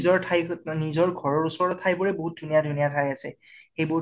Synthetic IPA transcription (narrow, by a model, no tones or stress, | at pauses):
zɔɹtʰajnizɔɹɡʱɔɹɔɹusɔɹɔtʰːajbɔɹɛboɦut̚dʱunijadʱunijatʰajasɛ | xejbʊ